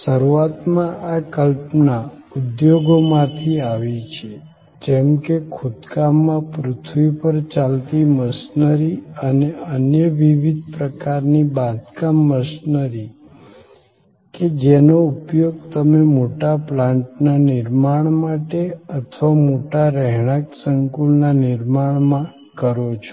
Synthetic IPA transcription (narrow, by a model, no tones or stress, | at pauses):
səɾuat̪mãʔakəlpnaud̪joɡomãt̪ʰiaʋit͡ʃʰe | d͡ʒɛmkekʰʊd̪kamːãpɾʊt̪ʰʋipəɾt͡ʃalt̪iməsnəɾiəneənjəʋiʋid̪̚pɾəkaɾnibad̪kamːəsnəɾi | ked͡ʒenoupjoɡt̪əmemoʈaplãɳʈnanɪɾmaɳ̃maʈeət̪ʰʋamoʈaɾɛɦɳ̃aksəŋkulnanɪɾmaɳ̃mã | kəɾot͡ʃʰo̥